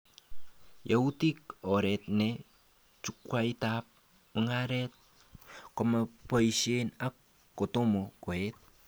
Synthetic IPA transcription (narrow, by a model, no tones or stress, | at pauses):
jautikoɾet̪̚ne | t͡ʃukwait̪ap̚ | uŋaɾet̪̚ | koməpoisienakː | ot̪omokoet̪̚